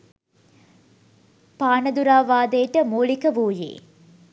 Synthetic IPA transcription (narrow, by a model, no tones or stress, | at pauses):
paːnəd̪uɾaːʋaːd̪ejʈəmuːlikəʋuːjḛː